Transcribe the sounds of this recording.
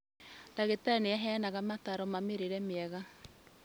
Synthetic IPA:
d̥aɣetaneaɦɛnaɣamataɾɔmameɾeɾɛmeɛɣa

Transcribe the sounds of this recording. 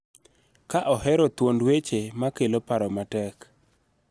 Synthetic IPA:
kaʔɔhɛɾɔt̪wondwet͡ʃemakelopaɾɔmatɛk

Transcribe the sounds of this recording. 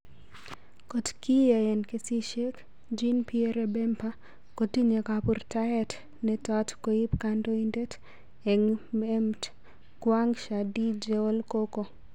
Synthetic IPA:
kotkijaɛnkesiʃek | d͡ʒinpieɾebɛmpa | kotiɲekapurtaɛt | nɛtatkoipkandoindet | ɛŋmɛmt | kwaŋʃadid͡ʒɛolkoko

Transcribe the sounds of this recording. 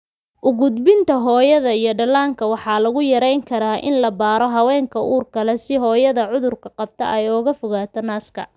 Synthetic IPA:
ʔʊɣʊd̪bɪnt̪ʰɐɦɔːjɐðɐijɔɖɐlaːŋkʰɐwɑħɑːlɐɣʊjɐɾɛjŋkʰɐɾaːʔɪ̰nlɐbaːɾɔɦɐwɛːŋkʰɐʔuːrkʰɐlɛsɪɦɔːjɐðɐʕʊðʊrkʰɐqɑb̚t̪ʰɐ̰ʔɛjɔɣɐfɔɣaːt̪ʰɔnaːskʰɐ̰

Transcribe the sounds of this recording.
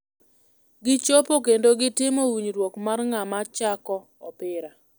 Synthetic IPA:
ɡɪt͡ʃopok̬endoɡɪtɪmɔwiɲɾwokmarŋamat͡ʃakɔ | ɔpɪɾa

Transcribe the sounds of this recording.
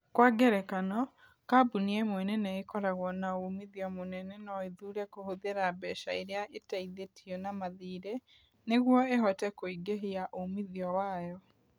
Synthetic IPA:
kwaːɡɛɾɛkanɔ | kabuniɛmwɛnɛnɛekɔɾaɣwɔnaomiðiɔmonɛnɛnɔeðuːɾɛkohoðeɾabɛːʃaeɾeaʔetaiðetʰiɔnamaðiːɾe | neɣwɔeɦɔtɛkoiɡeɦeaʔomiðiɔwajɔ

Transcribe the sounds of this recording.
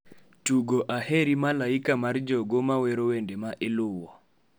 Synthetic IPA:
tuɡoʔaheɾimalaikamard͡ʒɔɡomaweɾowendemaʔɪlʊwɔ

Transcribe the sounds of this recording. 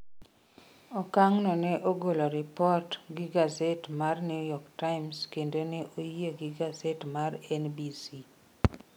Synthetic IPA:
ɔkaŋnɔnɛʔoɡoloɾɪpɔrtɡiɡazɛtmarnɪjɔktaɪmskendoneʔojeɡiɡazɛtmaɾɛnbisi

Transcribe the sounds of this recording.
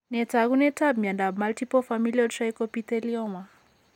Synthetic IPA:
nɛtaɣunɛtabmandabmaltipɔfamiliɔʃajkɔpit̪ɛliɔma

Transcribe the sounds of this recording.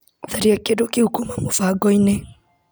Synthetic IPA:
θaɾiakedokihukumamofaɡɔine

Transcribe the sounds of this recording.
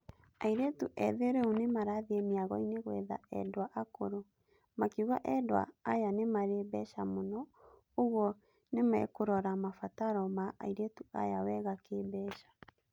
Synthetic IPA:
aiɾetuʔɛðeɾeonemaɾaðiemiaɣɔineɣwɛða̰ɛ̰dwaʔakoɾo | makiuɣaʔɛdwa̰ːjanemaɾebɛʃamonɔ | oɣwɔ | nemɛ̰koɾɔɾamafataɾɔmaʔa̰iɾetuʔa̰jawɛɣakebɛːʃḁ

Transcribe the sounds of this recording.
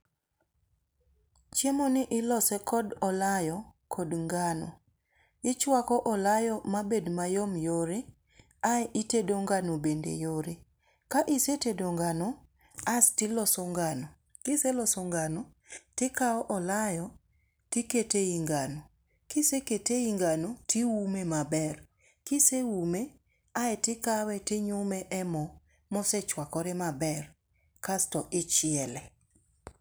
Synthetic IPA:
t͡ʃemɔnɪʔɪlɔsɛkʰɔdɔlajɔkʰɔdŋɡano̰ | ɪt͡ʃwakɔʔɔlajɔmabedmajomjoɾe | ajɪtedoŋɡanobendḛjoɾe | kaʔisetedoŋɡanɔ | astɪlɔsɔŋɡano | kɪselɔsɔŋɡanɔ | tɪkaɔʔɔlajɔ | tɪketeiŋɡanɔ | kɪseketeiŋɡanotiwumemabɛr | kɪsewume | aɛtɪkawɛtɪɲʊmɛʔɛmɔ | mɔsɛt͡ʃwakɔɾɛmabɛr | kastɔʔɪt͡ʃɪɛlɛ

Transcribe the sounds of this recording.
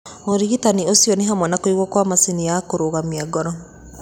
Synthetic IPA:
oɾiɣitaniosjɔneɦamwɛnakoiɣwɔkwamasinijakoɾoɣamiaɡɔɾɔ

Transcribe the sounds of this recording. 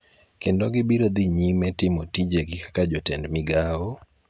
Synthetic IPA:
kendoɡɪbiɾod̪iɲimɛtɪmotid͡ʒeɡɪkḁkad͡ʒotɛndmɪɡao

